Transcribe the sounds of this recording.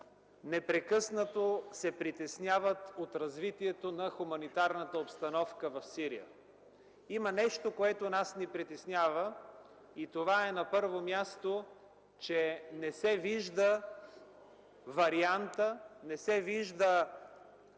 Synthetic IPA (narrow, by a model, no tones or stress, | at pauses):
nɛpɾɛkɤsnət̪osɛpɾit̪ɛsnʲjavət̪ot̪ɾɐzvit̪iɛt̪onɐxumɐnit̪aɾnət̪əopst̪ɐnɔfkəvɐfsiɾḭjə̰ | imənɛʃt̪okoɛt̪onasnipɾit̪ɛsnʲjavə | it̪ovaɛnɐpɤɾvomʲjast̪o | t͡ʃɛnɛsɛviʒd̪ə | vɐɾiant̪ənɛsɛviʒd̪ə